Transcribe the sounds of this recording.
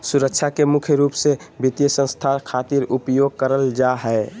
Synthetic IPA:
suɾəkʃʰakemʊkʰjəɾuːpsebit̪ijəsə̃nst̪ʰakʰat̪iɾupjoɡ̚kəɾəld͡ʒaɦɛe

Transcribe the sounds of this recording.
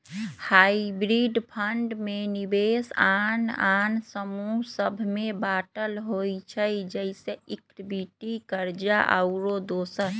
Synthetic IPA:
haibɾiɖpʰəɳɖmenibesanansəmusəbʱmebaːʈəlɦojt͡ʃʰəjd͡ʒəɪseikʈbiʈikəɾd͡ʒa̰ʔə̰ʊɾod̪osən

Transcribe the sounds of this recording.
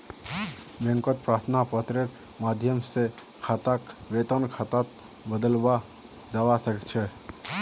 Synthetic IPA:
bẽŋkɔt̪̚pɾat̪ʰnapət̪ɾeɾ | mad̪ʱjəmse | kʰat̪akʋet̪ənkʰat̪at̪ | bəd̪əlba | d͡ʒawasəkt͡ʃʰɛ

